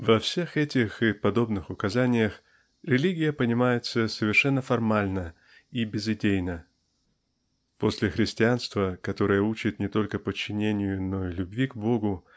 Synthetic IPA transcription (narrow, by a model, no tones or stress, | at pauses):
vɐfsʲe̞xɛtʲɪxɨpɐd̪o̞bnɨxʊkɐzanʲɪjəx | ɾʲɪlʲiɡʲɪjəpənʲɪmajɪt̪səsəvʲɪrʂɛnːəfɐrmalʲnə | ibʲɪzɪdʲejnə | po̞sʲlʲɪxɾʲɪsʲtʲɪanst̪vəkɐt̪o̞ɾɨjəut͡ɕɪt̪nʲɪt̪o̞lʲkəpət͡ɕːɪnʲenʲɪjʊnoilʲʊbvʲiɡbo̞ɡʊ